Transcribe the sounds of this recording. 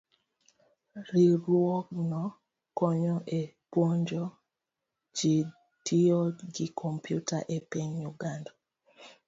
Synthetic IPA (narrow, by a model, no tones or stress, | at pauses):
ɾiɾwɔknɔ | kɔɲɔʔe | pwɔɲd͡ʒɔ | d͡ʒi | tʰiɔɡikʰɔmpjutaʔepɛɲjuɡandɔ